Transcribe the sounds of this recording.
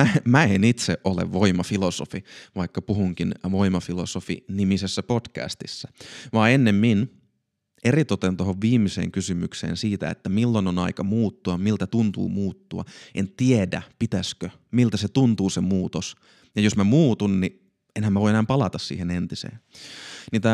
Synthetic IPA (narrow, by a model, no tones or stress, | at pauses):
æmæenit̪seʔʔolḛʋʋoimɑfiloso̰fiʋɑikːɑpuhuŋkinʋoimɑfilosofḭnimisesːæpod̥kæ̰st̪isːæʋɑːenːemmin | ʔerit̪ot̪ent̪oɦoʋʋiːmisḛːŋkysymyksḛːnsiːt̪æ̰ḛt̪ːæmilːononɑikɑmuːt̪ːuɑmmilt̪æt̪unt̪ṵːmuːt̪ːuɑ̰ent̪iedæ̰pit̪æskø | milt̪æset̪unt̪uːsemuːt̪os | jɑjosmæmuːt̪unni | enhæmːæʋoienæːmpɑlɑt̪ɑssḭːhenent̪isḛːnnit̪æ